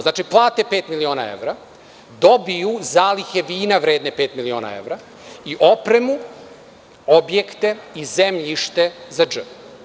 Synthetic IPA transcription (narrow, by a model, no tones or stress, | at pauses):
znaːt͡ʃiplˠaːt̪epe̞ːt̪milio̞ːna̰ḛʋɾa | d̪o̞bijuzaːlixeʋiːnaʋɾeːd̪nepe̞ːt̪milio̞ːna̰e̞̰ʋɾa | iʔo̞pɾe̞mu | obje̞kt̪e̞izemʎiʃt̪e̞zad͡ʒə